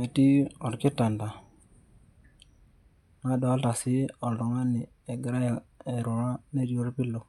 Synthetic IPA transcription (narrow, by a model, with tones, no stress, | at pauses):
me˨ti˦ɔ˨ɾki˦ta˨nda˨ | na˦dɔ˨a˦lta˨si˦ɔ˨ldɔ˨ŋa˦ni˨ | e˨ɡɾa˦ja˨e˨ɾu˨ɾa˦ne˦ɾi˨o˦ɾpi˦lo˨